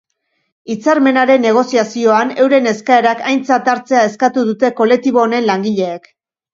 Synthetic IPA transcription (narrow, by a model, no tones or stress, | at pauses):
it͡saɾme̞naɾe̞nːe̞ɣ̞o̞siasio̞ane̞wɾe̞ne̞skae̞ɾakajnt͡sat̪aɾt͡se̞ae̞skat̪uðut̪e̞ko̞le̞k̚t̪iβ̞o̞ːne̞nlaŋɡiʎe̞ːk